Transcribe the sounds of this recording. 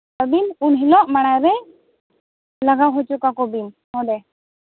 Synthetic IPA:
əbinunɦilɔʔmaɽ̃ajɾɛ | laɡaɦɔt͡ʃukakɔbim | hɔɖɛ

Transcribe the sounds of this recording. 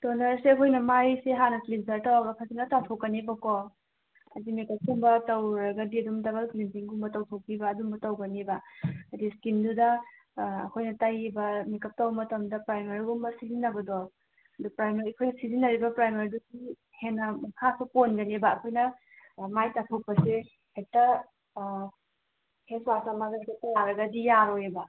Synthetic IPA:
tonɐɾseɐkʰojnɐmajseɦanɐklizɐɾtawaɡɐpʰasinɐtawtʰowkːɐnebako | ɐdimekɐp̚ɡumbɐtɐwɾɐɡɐdiɐdumdɐbɐlklinpiŋɡumbɐtɐwtʰowpibɐːdumbɐtɐwɡɐnebɐɐdiskindudɐ | ɐ̰kʰojnɐtajibɐmikɐp̚tɐwbɐmɐtɐmdɐpɾajmaɾiɡumbɐsizinːɐbɐdo | dupɾajmaɾiɐkʰojnɐsizinːɐɾibɐpɾajmaɾiduɡi | henːɐmɐkʰasuponɡɐnebɐːkʰojnɐ | majtapʰɐw̚pɐse | hek̚tɐ | heswasamaɡɐtatɐjaɾɐɡɐdijaɾojebɐ

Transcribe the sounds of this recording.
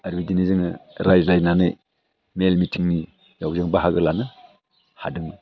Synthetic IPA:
aɾbidinizɯŋɾajzlajnanɯ̰ | melmitʰiŋni | jawzaŋbaɦaɡɯlanɯ | ha̰dɯŋ

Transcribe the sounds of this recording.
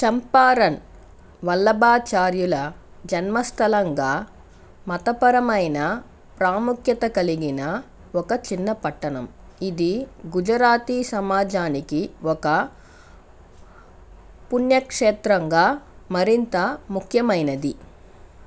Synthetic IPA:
t͡ʃɐmpaːɾɐn | ʋɐlːɐbaːt͡ʃaːɾjulɐ | d͡ʒɐnmɐst̪ʰɐlɐŋɡaː | mɐt̪ɐpɐɾɐmɐjnɐ | pɾaːmukʰjɐt̪ɐkɐliɡinɐ | ɔkɐt͡ʃinːɐpɐʈːɐnɐm | id̪iɡud͡ʒɐɾaːt̪iːsɐmaːd͡ʒaːnikiɔkɐ | punjɐkʂeːt̪ɾɐŋɡaːmɐɾint̪ɐmukʰjɐmɐjnɐd̪i

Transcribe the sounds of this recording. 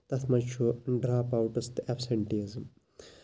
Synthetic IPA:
t̪ɐt̪ʰmɐd͡ʒt͡ʃʰuɖɾaːpawʈɐst̪ɛpʰseɳʈizm

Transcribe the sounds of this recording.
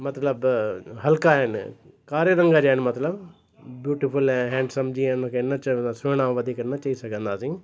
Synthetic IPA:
mɐt̪ləbɦɐlkaɦɪn | kaːɾeɾɐ̃ŋɡad͡ʒaːɪnmɐt̪ləb | bjuːʈɪpʊlɛ̃ɦɛ̃ːɳɖsɐmd͡ʒiẽnmɐ̃keɪnːat͡ʃasʊɽ̃ãːʋɐd̪ʱikɐɾnat͡ʃɐisɐkʰə̃nd̪aːsĩ

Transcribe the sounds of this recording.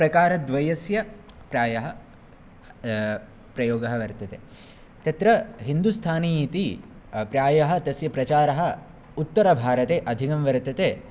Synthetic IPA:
pɾɐkaːɾɐd̪ʋɐjɐsjɐ | pɾaːjɐɦɐ | pɾɐjoːɡɐɦɐʋɐɾt̪ɐt̪eː | t̪ɐt̪ɾɐɦind̪ust̪ʰaːniit̪i | pɾjaːjɐɦɐ̆t̪ɐsjɐpɾɐt͡ʃaːɾɐɦɐ̆ | ut̪ːɐɾɐbʱaːɾɐt̪eːʔɐd̪ʱikɐmʋɐɾt̪ɐt̪eː

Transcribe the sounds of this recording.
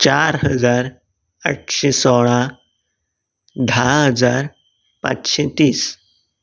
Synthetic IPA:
t͡ɕaɾhəd͡zaɾ | ə̰ʈɕesɔɭã | d̪ʱaɦəd͡zaɾ | pa̰t͡sɕet̪iːs

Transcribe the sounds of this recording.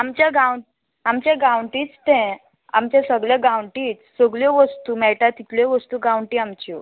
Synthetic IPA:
amt͡ɕaɡawɳ | amt͡ɕẽɡawɳʈiːt͡st̪ɛ̃ | a̰mt͡ɕɛsəɡɭɛɡawɳʈiːt͡ssəɡɭjɔʋəst̪uːmɛʈat̪it̪ljɔʋəst̪uːɡawɳʈiːamt͡ɕi

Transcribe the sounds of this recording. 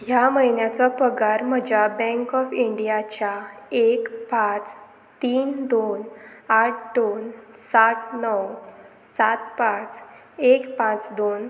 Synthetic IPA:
jaməjnjat͡sɔpəɡaɾm̤əd͡ʑʱjabɛ̃ŋkɔfiɳɖijat͡ɕjaekpãt͡s | t̪iːnd̪onaʈ̚ʰd̪onsaʈʰnəw | sat̪̚pãt͡s | ekpãt͡sd̪on

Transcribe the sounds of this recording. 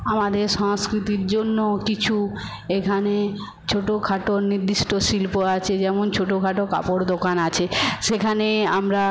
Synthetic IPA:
amad̪eɾʃɔŋskɾit̪iɾd͡ʑonːokit͡ɕʰu | ekʰane | t͡ɕʰoʈokʰaʈoɾniɾd̪iʃʈoʃilpoat͡ɕʰed͡ʑɛmont͡ɕʰoʈokʰaʈoka̰poɽd̪okanat͡ɕʰeʃekʰanea̰mɾa

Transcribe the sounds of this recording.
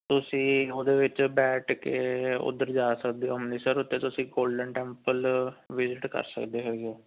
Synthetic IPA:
t̪ʊsĩːoːd̪eːʋɪt͡ʃbɛːʈkeʊ̰d̪ːəɾd͡ʒaːsəkd̪eːɦomneːsəɾʊt̪ːeːt̪ʊsĩːɡoːlɖəɳʈɛːmpəlʋɪzɪʈkə̰ɾsə̰kd̪eːɦoːɡeoː

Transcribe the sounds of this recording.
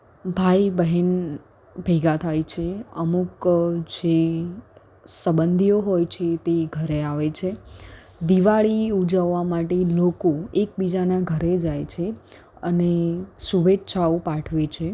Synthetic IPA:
bʱajbəɦɛn | bʱeɡat̪ʰajt͡ʃʰeəmukd͡ʒe | səbənd̪ʱijoɦojt͡ʃʰet̪eɡʱəɾeaʋet͡ʃʰe | d̪iʋaɭiud͡ʒaʋːamaʈelokoek̚bid͡ʒanaɡʱəɾed͡ʒajt͡ʃʰe | ənesuʋetːʃʰaopaʈʰʋet͡ʃʰe

